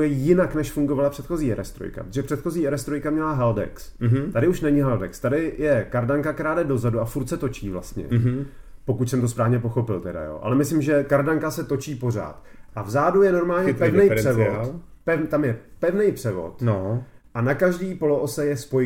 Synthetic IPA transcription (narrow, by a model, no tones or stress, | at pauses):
jɛjɪnaknɛʃfuŋɡovalapr̥ɛt̪xo̞ziːɛɾɛst̪ɾo̰jka̰pɾot̪oʒɛpr̥ɛt̪xo̞ziːɛɾɛst̪ɾojkamɲɛlaɦaldɛ̰kst̪adɪuʃnɛɲɪɦaldɛkst̪adɪjɛkaɾdaŋkakt̪ɛɾaːdɛdo̞zaduafuɾt̪sɛt̪o̞t͡ʃiːvla̰st̪ɲɛ̰po̞kucsɛmt̪ospɾaːvɲɛp̬o̞xo̞pɪlt̪ɛda̰jo̰ːʔa̰lɛmɪslɪmʒɛkaɾdaŋkasɛt̪o̞t͡ʃiːpo̞r̝a̰ːt̪ʔavzaːdujɛno̞ɾmaːlɲɛpɛvnɛjrɛvopɛt̪amjɛpɛvnɛjpr̥ɛvo̞̰t̪n | ʔanakaʒdiːpo̞loʔosɛjɛspoj